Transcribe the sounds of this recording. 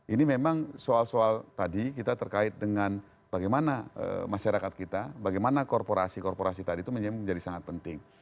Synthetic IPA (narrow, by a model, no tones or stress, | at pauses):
ʔinimemaŋsoalsoalt̪adikit̪at̪ərkaɪt̪̚dəŋan | b̥aɡajmanaə̰maʃaɾakat̪̚kit̪abaɡajmanakɔrpoɾasikɔrpoɾasit̪adit̪uməɲd͡ʒɲd͡ʒadisaŋat̪̚pənt̪ɪŋ